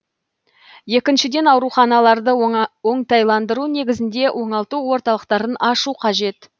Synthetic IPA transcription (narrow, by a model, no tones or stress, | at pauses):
je̞kʲɪnʃɪd̪e̞nɑwɾuχɑnɑlˠɑɾd̪əoɴt̪ɑjlˠɑnd̪əɾune̞ɡʲɪzɪnd̪e̞ʔwʔo̞ɴɑlˠt̪uwo̞ɾt̪ɑlˠəqt̪ɑɾənɑʃuqʰɑʒe̞t̪